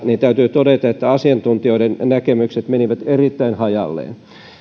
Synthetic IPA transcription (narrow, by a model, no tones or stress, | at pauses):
nint̪æyt̪yːt̪odet̪ɑet̪ːæɑsiɑnt̪unt̪ioidennækemykset̪meniʋæt̪erit̪ːæinhɑjɑ̰lːḛːn